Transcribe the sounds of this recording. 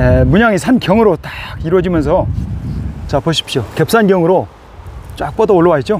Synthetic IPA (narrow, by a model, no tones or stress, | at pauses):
emuɲaŋisʰankjʌŋɯɾot͈ḁɡiɾwʌd͡ʑimjʌns̬ʰʌ | t͡ɕapʰʌɕʰi̥pʰɕ͈oke̞p̚s͈anɡjʌŋɯɾo | t͡ɕ͈wak̚p͈ʌdʌoɭːʌwaet̚t͡ɕo